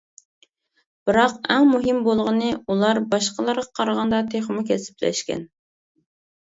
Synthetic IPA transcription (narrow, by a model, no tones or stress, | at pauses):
b̥ɨɾɑqɛŋmuɦɨmbolˠʁənɨulˠɑɾbɑʃqəlˠɑɾʁɑqʰɑɾʁɑnd̪ɑt̪ʰeχəmʊkʲɛsɪ̥plɛ̰ʃkʲɛ̰n